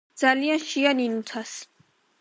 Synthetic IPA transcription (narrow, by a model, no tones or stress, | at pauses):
d̪z̥alijanʃianinut̪ʰas